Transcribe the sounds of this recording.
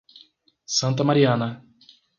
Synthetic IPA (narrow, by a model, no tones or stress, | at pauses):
sɐ̃nt̪ɐmaɾiɐ̃nɐ